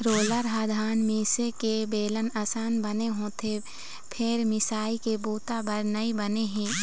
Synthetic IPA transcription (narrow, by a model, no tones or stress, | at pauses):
ɾoːləɾɦaːd̪ʱaːnmiːsekebeːlənɐsaːnbɐneɦõːt̪ʰe | pʰɪɾmɪsaːikebuːt̪abəɾnəibɐneɦɛ̃ː